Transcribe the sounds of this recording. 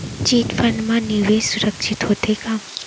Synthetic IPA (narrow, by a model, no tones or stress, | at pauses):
t͡ʃiːt̪fənɖmãniʋesʊɾəkʃɪt̪ɦot̪ekaːm